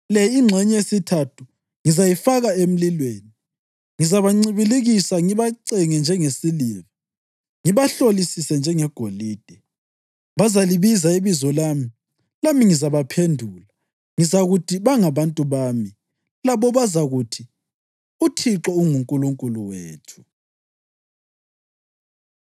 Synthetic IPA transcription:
lɛiŋ͡ǁʱɛɲɛesitʰatʰu̥ | ŋizajifaɣaem̩lilweːni | ŋizaβaŋ͡ǀiβiliɣisaŋiβaǀɛŋɛnd͡ʒʱɛŋesilivi | ŋiβaɬolisisɛnd͡ʒʱɛŋɛɡ̥ʱoliːd̥ʱɛ | βazaliβizaiβizɔlaːmi | lamiŋizaβapʰendʱula | ŋizaɣutʰiβaŋaβantʼuβaːmi | laβɔβazaɣutʰi | utʰiǁɔuŋuŋkʼuluŋkʼuluweːtʰu̥

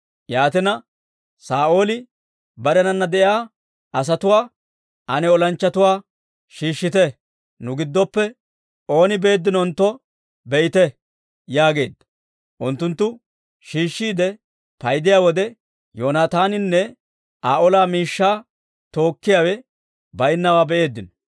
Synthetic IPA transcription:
jaːt̪ɛnɐ | saːʔo̞ːlɪ | bɐɾɛnɐnːɐd̪ɛʔjaː | ʔɐs̬ɐt̪ʊwaː | ʔɐnɛɔlɐnt͡ʃːɐt̪ʊwaː | ʃiːʃːɪt̪ɛ | nʊɡɪd̪ːɔpːɛ | o̞ːnɪbe̞ːd̪ːɪnɔnt̪ːɔ | bɛjɪt̪ɛ | jaːɡe̞ːd̪ːɐ̥ | ʔʊnt̪ːʊnt̪ːʊ | ʃiːʃːiːd̪ɛ | pɐjd̪ɪjaːwɔd̪ɛ | joːnaːt̪aːnɪnːɛ | ʔaːʔɔlaːmiːʃːaː | t̪o̞ːkːɪjaːwɛ | bɐjɪnːɐwaːbɛʔe̞ːd̪ːɪnɔ

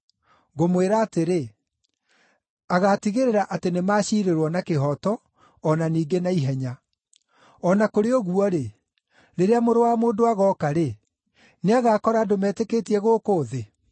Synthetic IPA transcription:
ɣomweɾaːteɾe | aɣatiɣeɾeɾaʔatenemaːɕiːɾeɾwɔnakeɦɔtɔː | naniːɡenaiɦɛɲa | ɔnakoɾeɔɣuɔɾe | ɾeɾeamoɾowaːmoːndoaɣɔkaɾe | neaɣaːkɔɾadomɛːtɛketiɛɣoːkoːðe

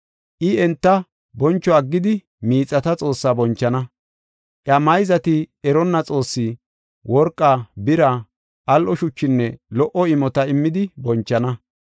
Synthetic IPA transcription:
ʔɪɛnt̪ːɐ | bɔnt͡ʃːɔɐɡːɪd̪ɪ | miːt͡sʼːɐt̪ɐt͡sʼo̞ːsːaːbɔnt͡ʃːɐnɐ | ʔjɐmɐjzɐt̪ɪɛɾɔnːɐt͡sʼo̞ːsːɪ | wʔɔɾkʼːaːbɪɾa | ʔɐlʔɔʃʊt͡ʃːɪnːɛlɔʔɔɪmɔt̪ɐɪmːɪd̪ɪbɔnt͡ʃːɐnɐ

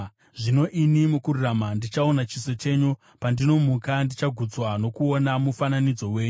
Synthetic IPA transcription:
ʐino̞ʔinimukuɾuramandit͡ʃaonat͡ʃise̞t͡ʃe̞ɲu | pandino̞mukandit͡ʃaɡʱud͡zwano̞kuonamufananid͡zo̞we̞ːɲu

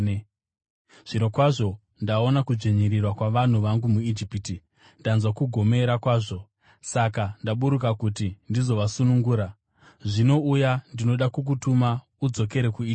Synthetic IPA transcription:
ʐ̥ino̞kwaʐo̞ | ndao̞nakud͡ʒeɲiɾirwakwaʋan̤uʋaŋɡumuid͡ʒipiti | ndanzwakuɡʱo̞me̞ɾakwaːʐo̞ | sakandaɓuɾuk̬akut̬indizo̞ʋasunuŋɡuːɾa | ʐino̞ujandino̞ɗakuk̬utuma | ud͡zo̞ke̞ɾe̞kui

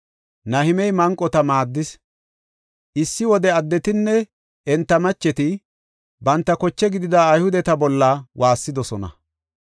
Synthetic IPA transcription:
nɐhɪmɛjmɐŋkʼːɔt̪ɐmaːd̪ːɪs | ʔɪsːɪwɔd̪ɛɐd̪ːɛt̪ɪnːɛ | ɛnt̪ːɐmɐt͡ʃːɛt̪ɪ | bɐnt̪ːɐkɔt͡ʃːɛɡɪd̪ɪd̪aːjhʊd̪ɛt̪ɐbɔlːɐwʔaːsːɪd̪ɔsɔnɐ̰

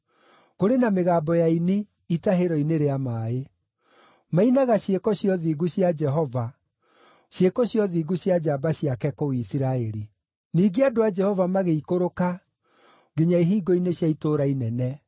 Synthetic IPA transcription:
koɾenameɣaːbɔjaine | itaɦeɾɔineɾeamaːe | mainaɣaɕjekɔɕjɔðiːɣuɕjad͡ʒɛɦɔva | ɕjekɔɕjɔðiːɡuɕjad͡ʒaːbaɕiakɛkowisiɾaeɾi | niːɡeadoad͡ʒɛhɔvamaɣeikoɾoka | ɡeɲaiɦiːɡɔineɕjaitoːɾainɛnɛ

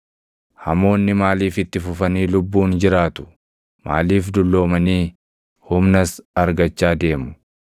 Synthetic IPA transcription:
hɐmo̞ːnːɪmaːliːfɪt̪ːɪfʊfɐniːlʊbːuːnd͡ʒɪɾaːt̪ʊ̥ | ma̰ːliːfd̪ʊlːo̞ːmɐniː | hʊmnɐsɐɾɡɐt͡ʃːaːd̪e̞ːmʊ̥

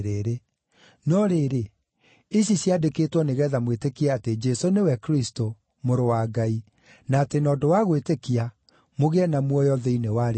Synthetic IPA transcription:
ɾeɾe | nɔɾeɾe | eɕiɕjiadekeːtwɔneɣɛːðamwetekiaated͡ʒɛsonewɛkɾisto | moɾowaːɡai | naːtenɔːdowaɣwetekia | moɣɛnamwɔjɔðeinewaɾ

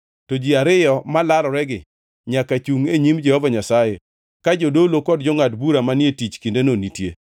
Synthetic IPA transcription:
tod͡ʒiaɾɪjɔmalalɔɾɛɡɪ | ɲakat͡ʃuŋeɲimd͡ʒɛhɔvaɲasaje | kad͡ʒodolokɔd̚d͡ʒɔŋatbuɾamanɪetit͡ʃkindenonitjḛ

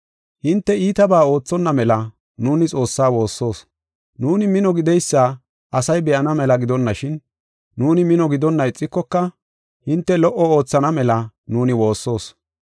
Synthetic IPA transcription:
hɪnt̪ːɛiːt̪ɐbaːo̞ːt͡sːɔnːɐmɛlɐ | nuːnɪt͡sʼo̞ːsːaːwo̞ːsːo̞ːs | nuːnɪmɪnɔɡɪd̪ɛjsːaː | ʔɐsɐjbɛʔɐnɐmɛlɐɡɪd̪ɔnːɐʃɪnː | uːnɪmɪnɔɡɪd̪ɔnːɐɪt͡sʼːɪkːɔkːɐ | hɪnt̪ːɛlɔʔɔoːt͡sːɐnɐmɛlɐnuːnɪwo̞ːsːo̞ːs

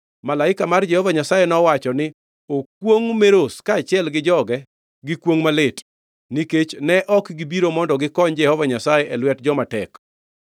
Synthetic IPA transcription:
malaɪkamard͡ʒɛhɔvaɲasajɛnɔwat͡ʃɔnɪ | ok̚woŋmeɾoskaːt͡ʃɪɛlɡɪd͡ʒɔɡɛ | ɡɪkwoŋmalɪt | niket͡ʃnɛʔɔkɡibiɾomɔndɔɡɪkɔɲd͡ʒɛhɔvaɲasajɛʔɛlwɛtd͡ʒɔmatɛk

